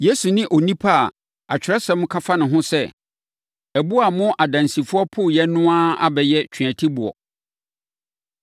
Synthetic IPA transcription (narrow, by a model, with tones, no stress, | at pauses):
je˦su˨nɪ̃˦ʔo˨nĩ˦pʰa˦˨ | a˨t͡ɕᶣɪ˨ɾɛ˦sɛ̃˦mʊ̃˦kʰa˦fa˦nʊ̃˨ɦʊ̃˦sɛ˦ | æ˨bu˦a˨mʊ̃˦ʔa˨dã˨nsi˨fʊ˦ɔ˦pʰʊ˦˨jɛ˦nʊ̃˦a˦a̰˦bɛ˨jɛ˦t͡ɕʰᶣɥã˨tʰi˦bʊ˨ɔ̰˨